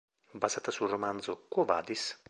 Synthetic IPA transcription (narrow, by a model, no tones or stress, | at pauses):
bazat̪asulromand̪zʊkova̰ːd̪is